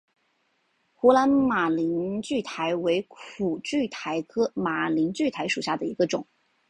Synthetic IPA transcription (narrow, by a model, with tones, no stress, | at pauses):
xu˧˥la˧˥nma˨˩li˧˥nt͡ɕy˥˩t̪ʰa˧˥ɪwe˧˥ɪkʰu˨˩t͡ɕy˥˩t̪ʰa˧˥ɪkʰɤ˥ma˨˩li˧˥nt͡ɕy˥˩t̪ʰa˧˥ɪʂu˨˩ɕja˥˩d̪ə˩i˧˥ɡə˧ʈ͡ʂʊ˨˩˦ŋ